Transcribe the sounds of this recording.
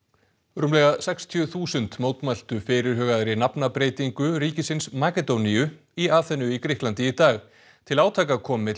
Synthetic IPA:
ɾʏmlɛɣasɛkst̪ʰijʏθuːsʏnt̪moːwt̪majl̥t̪ʏfɪːɾɪɾ̥ɦœːɣaðɾɪnapnapɾeːjt̪iŋkʏɾiːcɪsɪnsmaːkɛt̪owniʏ | iaːθɛnʏikɾɪhklant̪ɪit̪aːɣ | t̪ʰɪlaːwt̪ʰaːkakʰɔːmɪ

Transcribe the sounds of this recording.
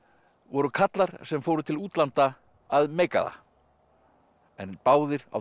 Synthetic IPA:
vɔɾʏkʰat̪laɾ̥sɛmfoːwɾʏt̪ʰɪluːt̪lant̪aː | ðmeːjka̰ða̰ | ɛ̰npaːwðɪɾa̰

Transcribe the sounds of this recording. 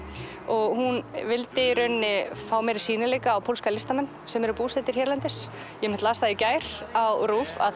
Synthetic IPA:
ɔɣhunvɪlt̪ɪɾœɥnːɪfaːwmɛɾɪ̥siːnɪlɛːkaːwpʰowlskalɪst̪amɛnːsɛmɛɾʏpuːst̪ɛt̪ɪɾ̥çɛɾlɛnt̪ɪ̥s | jɛmɪt̪laːst̪aðɪcaːjɾ̥awɾuːfa̰

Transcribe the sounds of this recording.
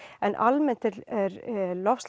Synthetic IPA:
ɛnʔalmɛn̥t̪ɛɛɾlɔfst̪

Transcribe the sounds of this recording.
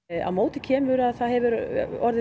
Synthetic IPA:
a̰wmoːwt̪ɪ̥cʰɛːmʏɾaðθaðɦɛvʏɾɔɾðɪ

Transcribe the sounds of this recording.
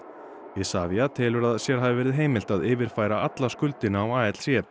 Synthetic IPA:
ɪsaːviat̪ʰɪːlʏɾaðsjɛɾ̥ɦaːvɪvɛːɾɪðɦeːjmɪlt̪aðɪːvɪɾ̥faːjɾaat̪laskʏlt̪ɪnaːwaːɛt̪l̥sjɛ

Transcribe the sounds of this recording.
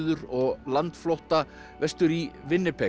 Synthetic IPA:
ðʏɾɔɣlant̪flowht̪a | vɛst̪ʏɾivɪnːɪpʰɛ

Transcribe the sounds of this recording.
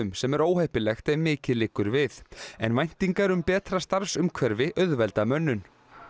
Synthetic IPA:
ʏmsɛmɛɾoːwhajhpɪlɛxt̪ɛmɪːcɪlɪːkːʏɾvɪθɛnvajn̥t̪iŋkaɾʏmpɛːt̪ɾast̪aɾfsʏmkʰvɛɾvɪʔœðvɛlt̪amœnːʏn

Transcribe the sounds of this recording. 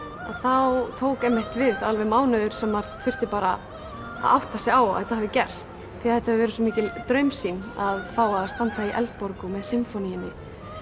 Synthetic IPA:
a̰θawt̪ʰoːwkɛmːɪht̪vɪðalvɛmaːwnʏðʏɾ̥sɛmvaɾθʏr̥t̪ɪpaːɾa | a̰ðawht̪asɛɣaːw̰θɛt̪ahɛvðɪcɛr̥st̪ʰːɪlaθɛt̪ahɛvɪvɛːɾʏsɔmiːcɪt̪ɾœɥmsinaðfaːwaðast̪ant̪aiʔɛ̰lt̪̚pɔɾkʏmɛðsɪmfɔnijɪnːɪ

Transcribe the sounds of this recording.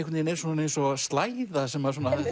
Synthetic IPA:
kʰʏt̪ninejɾ̥suːnaejnsɔst̪laːjðasɛmaɛɾs̬uːna

